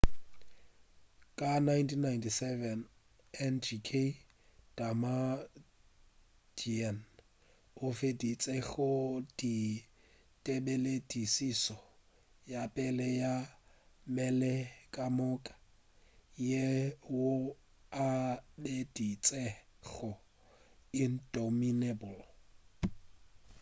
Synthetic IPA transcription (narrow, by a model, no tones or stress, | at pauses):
kʼanajntʰinːajntʰisɛvɛn | ɛnd͡ʒikʰe | d̥ama | diɛn | ʊfedit͡sʼɛɣʊdi | tʼebeledʼisisɔ | japʼɛlɛja | mɛlɛkʼamʊkʼḁ | jewʊ | abedit͡sʼɛɣɔ | in̩dominebʊl